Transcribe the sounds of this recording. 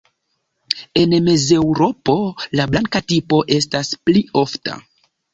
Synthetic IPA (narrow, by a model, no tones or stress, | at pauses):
e̞nme̞ze̞wɾo̞po̞lablaŋkatipo̞ʔe̞staspliʔo̞fta̰